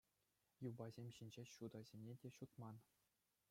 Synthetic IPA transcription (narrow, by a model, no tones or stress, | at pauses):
jubɑzʲemʲɕinʲd͡ʑeɕud̪ɑzʲemʲnʲedʲeɕut̪mɑn